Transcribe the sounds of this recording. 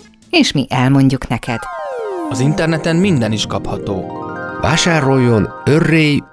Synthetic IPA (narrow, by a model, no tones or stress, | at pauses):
eːʃmiʔɛlmo̞ɲɟuknɛkɛd̪̥ɒzint̪ɛrnɛt̪ɛmːind̪ɛniʃkɒphɒt̪oːvaːʃaːɾo̞jːo̞n | ørːeːj